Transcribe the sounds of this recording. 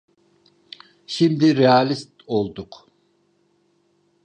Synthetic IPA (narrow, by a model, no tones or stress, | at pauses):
ʃimd̪ɪɾeɑlist̪olˠd̪ʊq